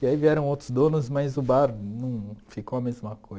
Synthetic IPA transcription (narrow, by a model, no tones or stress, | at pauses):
ɪaiviɛɾɐ̃w̃owt̪ɾʊzd̪õnʊzmajzʊbaɾnɐ̃w̃fikowɐmezmɐkoz